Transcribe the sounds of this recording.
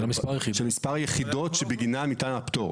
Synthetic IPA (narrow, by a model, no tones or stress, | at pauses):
mispaʁjeidʃelmispaʁajeχid̪o̞tʃebeɡinamit̪anapt̪o